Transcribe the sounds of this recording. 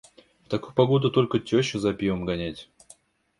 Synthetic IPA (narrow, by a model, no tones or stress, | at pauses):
ft̪ɐkujpɐɡo̞d̪ʊt̪o̞lʲkətʲoɕʊzɐpʲivəmɡɐnʲætʲ